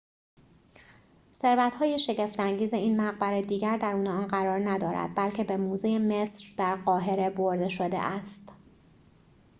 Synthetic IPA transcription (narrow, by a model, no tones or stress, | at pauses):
se̞ɾvæt̪hɒːje̞ʃe̞ɟe̞ft̪æŋɟiːze̞iːnmæɣbæɾed̪iːɟæɾd̪æɾuːneɒːnɢæɾɒːɾnæd̪ɒːɾæ̰d̪̥̚bælcʰe̞be̞muːzejeme̞sɾd̪̥æɾɢɒːɦe̞ɾe̞boɾd̪e̞ʃod̪e̞̰ʔæst̪